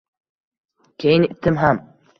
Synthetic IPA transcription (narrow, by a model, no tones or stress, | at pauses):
kʲejnɪt̪ːɘmɦam